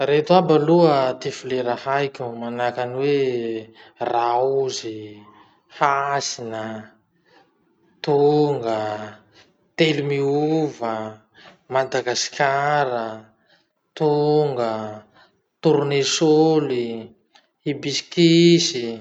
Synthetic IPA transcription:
ret̪uabaluət̪ifileɾahajkʲumanakaniwe | rauzi | hasinə | t̪uŋɡə | t̪elumiuvə | mad̪aɡaskʲʰaɾə | t̪uŋɡə | t̪uɾunesoli | ibiskisi

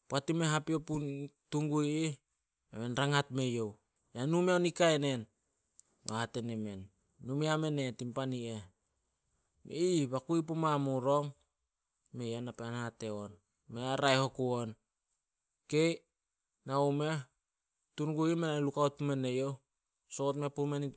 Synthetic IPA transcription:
poatimeɦapioputuŋɡuje | memenɾaŋatme̞jo̞w | janumeonikaene̞n | o̰hate̞neme̞nː | umeame̞ne̞timpanie̞ | mḛiβakuip̬umamuɾo̞ŋ | meenapeanhate̞on | meaɾajho̞kuon | ke̞j | naume̞ | tuŋɡuimenalukaot̚ume̞ne̞jo̞ | sootme̞pumeni

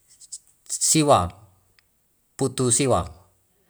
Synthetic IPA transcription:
siwa | put̪usiwa̰ŋ

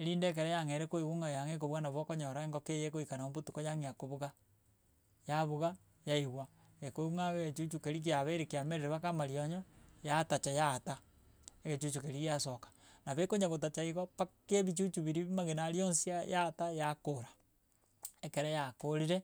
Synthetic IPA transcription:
eɾiːndek̬eɾejaŋeɾekoiɣuŋajaŋekoβɣanaβwokoɲɔɾaeŋɡɔkejekoikanaombutukojaŋiakoβuɣa | jaβuɣa | jaiɣwa | ekoɣuŋaɣeɣet͡ʃut͡ʃukeɾik̬iaβeɾekiameɾeɾeβakamaɾioɲɔjatat͡ʃajaːta | eɣet͡ʃut͡ʃukeɾiɣasokḁnaβekoɲaɣotat͡ʃaiɣopakeβit͡ʃut͡ʃuβiɾimaɣenaɾjonsijajatajakoɾḁ | ekeɾejakoɾiɾe

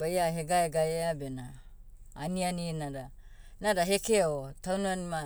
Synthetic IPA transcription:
bajaɦeɡaeɡaeabenaː | nianinaɾa | naɾaɦe̞keotawnuanima

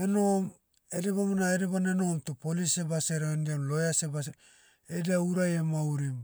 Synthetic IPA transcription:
enom | eɾiβamanaeɾibaneno̞mtopolisebaseɾendiamlo̞jaseba | edauɾajemauɾim

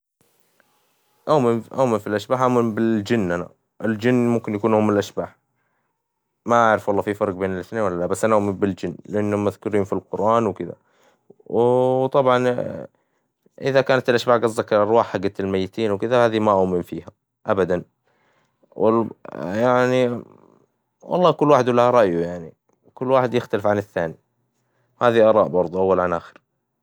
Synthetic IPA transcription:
ʔawmɪmʔawmɪnfilʔaʃbaːħʔamɪnbɪd͡ʒɪnːʔana̰ | ʔɪld͡ʒɪnːmʊmkɪnjakuːnhoːmːɪɪlʔaʃbaːħ | maʔaʕɾɪfwɑlˤːɑːfifɑɾˤɡbeːnɪlʔɪθneːnwalːalabasːʔanaʔamɪmbɪld͡ʒɪnːlɪʔanːhʊmːaðkʊɾiːnfilqʊɾʔaːnwkɪða̰ | wt̪ˤɑbʕɑn | ʔɪðakaːnat̪ɪlʔaʃbaːʕɡɑzˤːɑkʔɑɾˤwaːħːaɡːat̪ɪlmajːɪt̪iːnwkɪðahaːðimaʔʊmɪmfiːha | ʔabad̪an | w | jaʕni | wʔɑ̰lˤːɑːkʊlːwaːħɪd̪lːahaɾˤɑʔjujaʕni | wkʊlːwaːħɪd̪jɪxt̪alɪfʕanɪθːaːni | haːðiʔɑɾˤɑːʔbɑɾˤðˤuʔawːalʕanʔaːxɪ̥ɾ

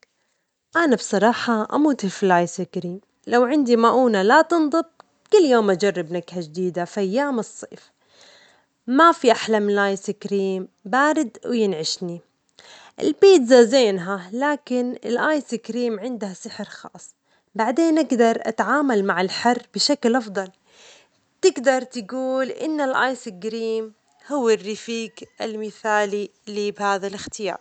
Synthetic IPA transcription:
ʔanabsˤɑɾˤɑːħɑʔa̰muːt̪hɪfilʔaːjsɪkɾiːm | lawʕɪnd̪imaʔuːnalat̪ɨnd̪ˤɨb̚ | kʊlːjoːmʔad͡ʒɑrˤːɑbnaɡhad͡ʒd̪iːd̪afʔajːaːmɨsˤːḛːf | mafiʔaħlamnɪlʔaːjsɪkɾiːmbaːɾɪd̪wjɪnʕɪʃni | ʔɪ̰lbiːt̪zazeːnɦalaːkɪnɪ̰lʔaːjsɪkɾiːmʕɪnd̪hasɪħɪɾxɑ̰ːsˤː | baʕd̪eːnʔɪɡd̪ɑɾˤʔa̰t̪ʕaːmalmaʕɪlħarːb̥ɪʃaklʔɑfd̪ˤɑl | t̪ɪɡd̪ɑɾˤt̪ɪɡuːlʔɪ̰nːalʔaːjsɪɡɾiːm | hʊwːɪrːɪfiːɡalmɪθaːlilibhaːðalɪxt̪ɪjɑ̰ːɾˤ

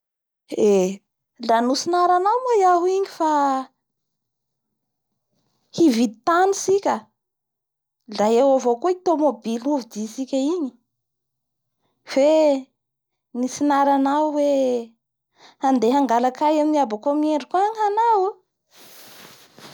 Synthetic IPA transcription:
e | lanusinaɾanawmajaɦuiŋifa | hivid̪it̪anisikʲə | lajewavokuit̪omobiluvid̪isikʲəiɲi̥ | fe | nisinaɾanawwe | and̪eɦaŋɡalakajaminiabakomieɳɖ͡ʐikuaŋanaw

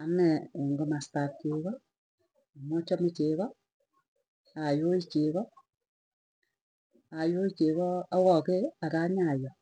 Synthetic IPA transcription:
anɛŋɡomastat̚t͡ʃeːɣɔ | mɔt͡ʃɔmit͡ʃeβɔ | ajoit͡ʃeβɔ | ajoit͡ʃeβɔawɔkeakaːɲajɔ

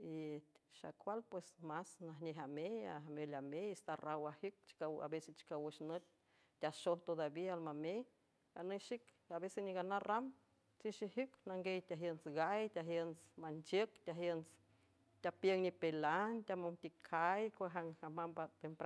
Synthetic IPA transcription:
iʃa̰kʷalpwesmasnaɦneɦamea̰melameist̪arawahik̚t͡ʃkwa̰beset͡ʃi̥kawəʃnət̪̚ | t̪ʲaʃoht̪od̪abialmame | aneʃik | abeseniɡanaram | t͡siʃiɦiknaŋɡejt̪ʲaɦjənsɡajt̪ʲaɦjənsmant͡ʃəkt̪ʲaɦjəns | t̪ʲapjəŋnipelant̪ʲamont̪ikʰajkʷaɦaŋamambat̪empɾa

